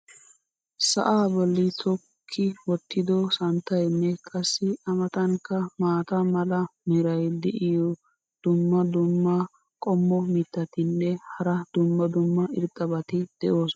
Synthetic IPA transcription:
sɐ̰ʔaːbɔlːɪt̪ʰɔ | kʰːɪwɔt̪ːɪd̪ɔsɐnt̪ːɐjnːɛkʼɐsːɪɐmɐt̪ɐŋkːɐmaːt̪ɐmɐlɐmɛɾɐjd̪ɛʔɪjɔ | d̪̥ʊmːɐd̪ʊmːɐ | kʼɔmːɔmɪt̪ːɐt̪ɪnːɛhɐɾɐd̪̥ʊmːɐd̪ʊmːɐʔɪɾt̪ʼːɐbɐt̪ɪd̪̥ɛʔoːs

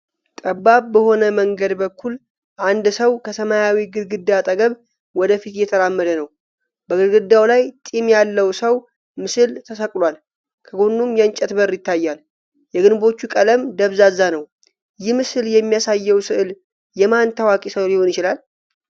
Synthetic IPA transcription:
t̪ʼəbːabbəho̞nəməŋɡəd̪bəkʰːul | ʔand̪səwkʰəsəmajawiɡɨd̪ɡɨd̪ːat̪ʼəɡəβ | wɔd̪əfit̪jɛt̪ʰəɾamːəd̪ənəw | bəɡɨlɡɨd̪ːawlajt̪ʼimjalːəwsəw | mɨsɨlt̪ʰəsəkʼlwal | kʰəɡo̞nːumjɛnt͡ʃʼɛt̪bəɾːjɪt̪ʰːajːal | jɛɡɨnbo̞t͡ʃːukʼələmd̪əβzazːanəw | jɪhmɨsɨljɛmːijasajːɛwsɨʔɨl | jɛmant̪ʰawakʼisəwliho̞njɪt͡ʃɪlal

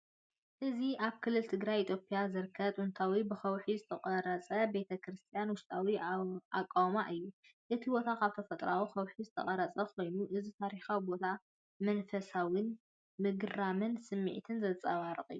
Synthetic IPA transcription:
ʔɨziʔaβkʰɨlːɨlt̪ʰɨɡɾajit̪ʰjo̞pʼijazɨɾkʰːɐt̪ʼunt̪ʰawibɨxɐwħizɨt̪ʰɐkʼɐɾɐt͡sʼɐbe̞t̪ʰɐkʰɾɨst̪ʰijanwʊʃt̪ʼawia̰kʼːawmaʔɨjːuʔɨt̪ʰibo̞t̪ʰakʰaβt̪ʰofɐt̪ʼɾawixɐwħizɨt̪ʰɐ̰χʼɐɾɐt͡sʼɐkʰo̞jnuʔɨzit̪ʰaɾixawibo̞t̪ʰa | mɐnfɐsawɨn | mɨɡɨɾamɨnsɨmːḭʕt̪ʰɨnzɐt͡sʼɐ̰βaɾɨχʼɨ̰jːu

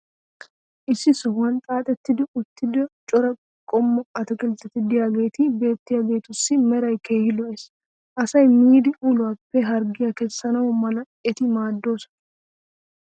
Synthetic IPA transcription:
ʔɪsːɪsɔwɐnt̪ʼaːt̪ʼɛt̪ːɪd̪ɪʊt̪ːɪd̪ɐt͡ʃʼɔɾɐ | kʼɔmːɐɐt̪ɐkʼɪlt̪ʼɛt̪ːɪd̪ɪjaːɡe̞ːt̪ɪbe̞ːt̪ːɪjaːɡe̞ːt̪ʊsːɪmɛɾɐjke̞ːhɪlɔʔeːs | ʔɐsɐjmiːd̪ɪʔulʊwapːɛɦɐɾɡɪjɐkɛsːɐnɐwɔmɐlɐ | ɛt̪ɪmaːd̪ːo̞ːsɐ̥

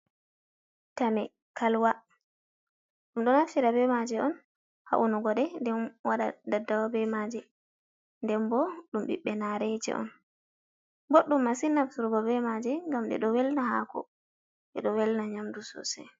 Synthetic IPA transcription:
tamɛ | kʰalwa | ɗumɗɔnafsiɾabɛmad͡ʒɛʔɔn | ha̰ʔunuɡɔɗɛndɛnwaɗa̰dadːawabɛmad͡ʒɛ | ndɛnbɔɗumɓḭɓːɛnaɾɛd͡ʒɛ̰ʔɔ̰n | boɗːumːasinafsuɾɡɔbɛmad͡ʒɛŋɡamɗɛ̰ɗɔwɛlnaha̰kɔ̰ | ʔɛ̰ɗɔwɛlnaɲamdusɔ̰sɛ̰

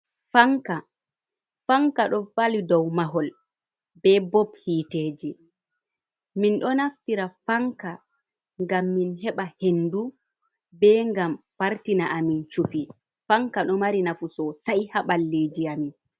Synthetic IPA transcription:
faŋka | faŋkaɗɔfalidɔwmaɦɔl | bɛbɔbhiːteːd͡ʒi | minɗɔnaftiɾafaŋka | ŋɡamːinɦɛɓahendu | bɛŋɡamfaɾtinaʔamint͡ʃupi | faŋkaɗɔmaɾinafusɔsajhaɓalːed͡ʒiamin

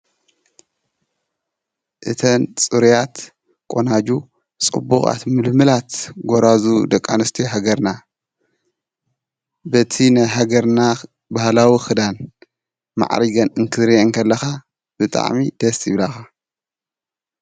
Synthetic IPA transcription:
ʔɨt̪ʰɐnt͡sʼɨɾjat̪ | kʼonad͡ʒu | t͡sʼɨ̰bːuxʼa̰t̪mɨlmɨlat̪ɡoɾazud̪ɐkʼːanɨst̪ʰiɦaɡɐɾna | bɐt̪ʰinajɦaɡɐɾna | bahlawixɨd̪an | ma̰ʕɾiɡɐnɨŋkʰɨɾiŋkʰɐlːɐxa | b̥ɨt̪ʼa̰ʕmid̪̥ɐsɪβlaxa

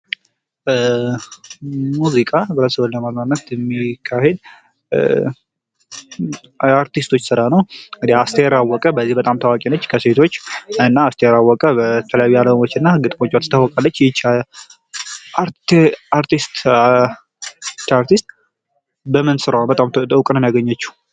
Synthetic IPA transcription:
muzikʼabəɾəsəwonləmaznanːət̪jɛmːikʰːahed̪ | aɾt̪ist̪ʰo̞t͡ʃːsɨɾanəwɨneast̪ʰəjɾawːɔkʼəbəzːihbət̪ʼamt̪ʰawakʼinot͡ʃːkʰəse̞t̪ʰo̞t͡ʃːɨnːaast̪ʰəjeɾawːɔkʼəbət̪ʰələjajualəmot͡ʃːɨnːaɡɨt̪ʼmo̞t͡ʃːat̪t̪ʰawːɔkʼalːət͡ʃːjɛt͡ʃːal | ʔaɾaɾt̪ist̪ | t̪aɾt̪ʰist̪ | bəmɨnsɨɾawbət̪ʼamt̪əwkʼnənjaɡəɲːat͡ʃːu̥

